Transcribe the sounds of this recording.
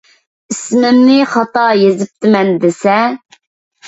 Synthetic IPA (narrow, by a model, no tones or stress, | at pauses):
ismɪmnɪχɑt̪ɑjezɪp̚t̪ʰɪmɛnd̪esɛ